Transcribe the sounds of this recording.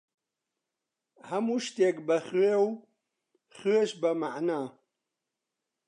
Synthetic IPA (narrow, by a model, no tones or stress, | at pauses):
hamuʃt̪ekbɐχew | χeʃbɐmaʕnaː